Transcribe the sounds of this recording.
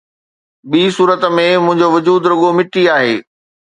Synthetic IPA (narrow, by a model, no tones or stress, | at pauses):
ɓiːsuːɾət̪̆mẽmʊ̃ɦɪ̃ɲd͡ʑoʋʊd͡ʑuːd̪ɾʊɠomɪʈiaːɦḛː